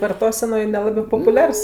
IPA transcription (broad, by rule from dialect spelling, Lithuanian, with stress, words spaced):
ʋɐrˈtoːsʲɛnoːj ˈnʲæːlˠɐbɜ poːpʊˈlʲɛrs